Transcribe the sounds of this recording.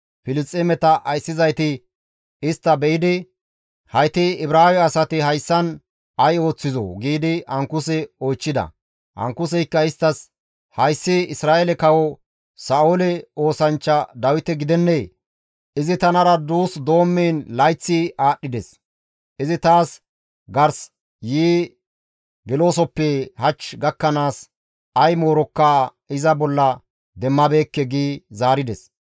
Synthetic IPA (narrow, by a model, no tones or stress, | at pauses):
fɪlɪt͡sʼːɛmɛt̪ɐʔɐjsːɪzɐjt̪ɪ | ɪst̪ːɐbɛjɪd̪ɪ | hɐjt̪iɪbɾaːwɛɐsɐt̪ɪɦɐjsːɐn | ɐjo̞ːt͡sːɪzo̰ɡiːd̪ɪɐŋkʊsɛojt͡ʃːɪd̪ɐ̰ | ʔɐ̰ŋkːʊs̬ɛjkːɐɪst̪ːɐs | hɐjsːiɪsɾaːɛlɛkɐwɔ | saːolɛo̞ːsɐnt͡ʃːɐd̪ɐwɪt̪ɛɡɪd̪ɛnːej | ʔɪzɪt̪ɐnɐɾɐd̪uːsd̪o̞ːmːeːnlɐjt͡sːɪʔaːɗːɪd̪ɛs | ʔɪzɪt̪aːs | ɡɐɾs | jiː | ɡɛlo̞ːsɔpːɛhɐt͡ʃɡɐkːɐnaːs | ɐjmo̞ːɾɔkːa | ɪzɐbɔlːɐ | d̪ɛmːɐbeːkːɛɡiːzaːɾɪd̪ɛs